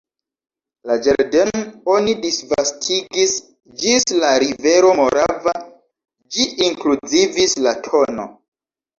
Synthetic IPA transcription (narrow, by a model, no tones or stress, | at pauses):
lad͡ʒaɾdeno̞nidisvastʰiɡis | d͡ʒislaɾive̞ɾo̞mo̞ɾʔava | d͡ʒiʔiŋklud͡zivislatʰo̞no̞̰